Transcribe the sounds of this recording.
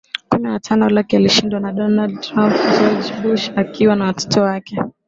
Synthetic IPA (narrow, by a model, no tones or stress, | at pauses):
kumɛwatʰanɔlakɛaliʃindwanaɗɔnad̚tɾampd͡ʒɔd͡ʒbuʃakiwanawatʰɔ̥tɔwakɛ